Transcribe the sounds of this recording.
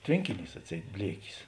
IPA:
ˈtʲʋʲeːŋʲkʲɪˌnʲiːs ɐtʲˈsʲɛɪt ˈbʲlʲiɛkʲɪs

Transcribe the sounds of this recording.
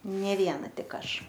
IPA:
ˈnʲeː ˈʋʲiɛnɐ ˈtʲɪk ˈɐʃ

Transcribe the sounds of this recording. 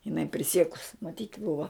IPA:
jɪˈnɐɪ pʲrʲɪˈsʲiɛkʊs mɐˈtʲiːtʲ ˈbʊʋɐ

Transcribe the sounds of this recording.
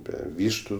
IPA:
ˈbʲɛ ˈʋʲiːʃtʊ

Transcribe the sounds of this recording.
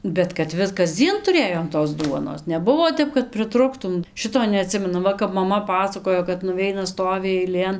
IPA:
bʲɛt kɐt ˈʋʲɪs kɐzʲˈd͡zʲiɛn tʊˈrʲeːjoːm toːs ˈduɔnoːs nʲɛˈbʊʋoː ˈtʲɛp kɐt pʲrʲɪˈtrʊktʊm ˈʃʲɪtoː nʲɛɐˈtʲsʲɪmʲɛnʊ ˈʋɐ kɐp mɐˈmɐ ˈpɑːsɐkoːjoː kɐt nʊˈʋʲɛɪnɐ ˈstoːʋʲɪ ɛɪˈlʲeːn

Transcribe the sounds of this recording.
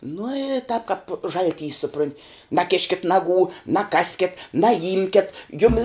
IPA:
nʊ ɪ tɐp kɐp ˈʒɐlʲˌtʲiːs sʊˈprʊnʲtʲ nɐˈkʲɪʃʲkʲɪtʲ ˈnɑːˌɡuː nɐˈkɑːsʲkʲɪt nɐˈjɪmʲkʲɛt ˈjʊmʲɪ

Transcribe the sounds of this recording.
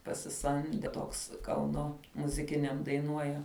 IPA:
pɐsʲɪˈsɐmʲdʲɛ ˈtoːks ˈkɐʊnoː mʊzʲɪˈkʲɪnʲɛm dɐɪˈnuɔjɛ

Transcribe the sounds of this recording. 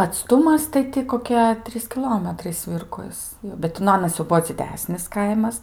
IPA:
ɐtˈstʊmɐs tɐɪ ˈtʲɪ koːˈkʲiɛ ˈtʲrʲiːs kʲɪˈlˠoːmʲɛtrɐɪ ˈsʲʋʲɪrkoːs bʲɛt ˈtʲɪ nʊ ˈɑːnɐs jɛʊ ˈbuɔ d͡zʲɪˈdʲæːsʲnʲɪs ˈkɐɪmɐs

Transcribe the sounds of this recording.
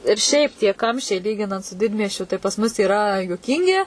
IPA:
ɪr ˈʃʲɛɪp tʲiɛ ˈkɐmʲʃʲt͡ʃʲɛɪ ˈlʲiːɡʲɪnɐnt sʊ ˈdʲɪdʲmʲiɛsʲt͡ʃʲʊ tɐɪ pɐs ˈmʊs iːˈrɐ juɔˈkʲiːŋʲɡʲɪ

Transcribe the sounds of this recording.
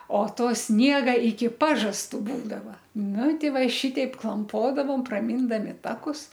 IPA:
oː ˈtoː ˈsʲnʲiɛɡɐ ɪkʲɪ ˈpɑːʒɐstʊ ˈbuːdɐʋɐ ˈnʊ ˈtʲɪ ˈʋɐ ɪ ˈʃʲɪtʲɛɪp klˠɐmˈpoːdɐʋoːm prɐˈmʲiːndɐmʲɪ ˈtɑːkʊs

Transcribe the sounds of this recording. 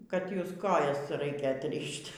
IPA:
kɐt ˈjʊs ˈkoːjɛs ˈrɐɪkʲɛ ɐtʲˈrʲɪʃʲtʲ

